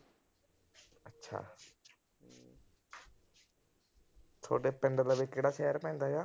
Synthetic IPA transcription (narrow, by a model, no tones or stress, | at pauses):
ətːʃʰa̰ː | t̪ʰo̰ːɖeːpɛ̃ɳɖəlaːʋekeːɽaːʃɛːəɾpɛ̃ːnd̪aːd͡ʒaː